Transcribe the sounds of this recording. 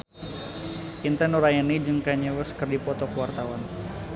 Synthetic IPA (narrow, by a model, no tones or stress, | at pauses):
ʔint̪ɛnuɾajanid͡ʒɨŋkaɲəwəskərdipɔt̪ɔkəwart̪awan